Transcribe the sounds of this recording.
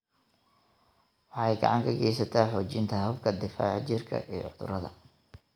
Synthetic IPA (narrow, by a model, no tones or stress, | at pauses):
wɑħɑɛjɡɐ̰ʕɑŋkʰɐɡɛjsɐt̪ʰaːħɔːt͡ʃɪnt̪ʰɐɦɐbkʰɐd̪ɪfa̰ːʕt͡ʃɪrkʰɐ̰ʔiːʕʊðʊ̰ɾɐðɐ̰